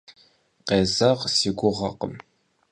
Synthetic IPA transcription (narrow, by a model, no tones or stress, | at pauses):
qeːzɐʁsiːɡʷʊʁɐ̰qə̰m